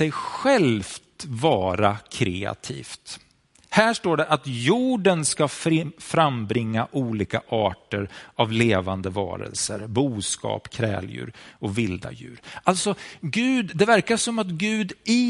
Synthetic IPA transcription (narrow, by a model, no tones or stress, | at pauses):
ɛjɧɛlft̪vɑːɾakʰɾɛːa̰t̪ʰḭːft̪ | hæːʂʈoːɖɛʔat̪juːɖənskafɾambɾɪŋːaʔuːliːkaʔɑːʈəɾavleːvand̪əvɑ̰ːɾə̰lsəɾbuːskɑ̰ːpkʰɾɛ̰ːljʉ̟̰ːɾɔvɪld̪a̰jʉ̟ːɾʔalt̪sɔɡʉ̟ːd̪d̪ɛvæɾkaʂɔmat̪ɡʉ̟ːd̪ɪ